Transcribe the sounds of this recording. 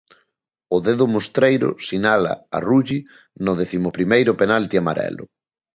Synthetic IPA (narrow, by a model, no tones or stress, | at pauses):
ʊðeðʊmost̪ɾejɾʊ̰sinala̰a̰ruʎi | nʊðeθimʊpɾimejɾʊpenalt̪iamaɾɛ̰lʊ̰